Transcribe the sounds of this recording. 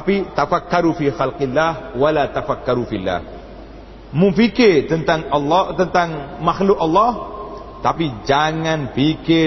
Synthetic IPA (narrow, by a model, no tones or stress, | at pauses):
t̪apit̪afakːaɾufixalqilːahwalat̪afakːaɾufilːa̰h | muŋfikɪt̪ənt̪aŋʔɑlːɔt̪ənt̪aŋmaxlʊkɑlːɑh | t̪apid͡ʒaŋanpikɪ